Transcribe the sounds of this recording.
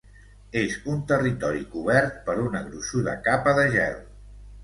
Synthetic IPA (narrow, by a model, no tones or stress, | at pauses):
ezunt̪ərit̪ɔɾikuβ̞ɛɾt̪̚pəɾunəɣɾuʃuðə̰kapəðəʒɛ̰lˠ